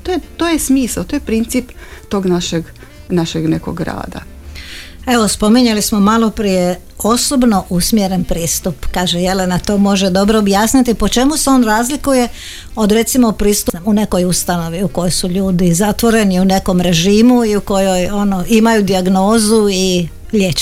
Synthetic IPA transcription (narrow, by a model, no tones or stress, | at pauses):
t̪ojet̪oːjesmiːsat̪oːjepɾint̪sipt̪oɡnaʃeɡ | naʃeɡneko̰ɡɾa̰ːd̪a̰ | e̞ʋo̞spo̞miɲelismo̞malˠo̞pɾije | o̞sobno̞ʔusmjeɾe̞npɾiːst̪upkaːʒeje̞le̞nat̪o̞ːmo̞ʒe̞d̪o̞bɾoːbjaːsnit̪ipo̞t͡ʃe̞museo̞ːnɾaːzlikuje̞ | o̞d̪ɾe̞t̪simopɾiːst̪uune̞ko̞just̪ano̞ʋiuko̞jo̞jsuʎuːd̪izat̪ʋo̞ɾe̞niune̞ko̞mɾe̞ʒiːmuiuko̞jo̞jo̞no̞imajud̪iaɡno̞ːzui | ʎjet͡ʃ